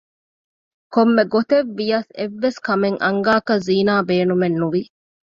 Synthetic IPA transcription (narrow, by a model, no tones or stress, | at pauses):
komːeɡot̪eʋːijɐseʋːeskɐmeŋʔɐŋɡaːkɐziːnaːbeːnumenːuʋi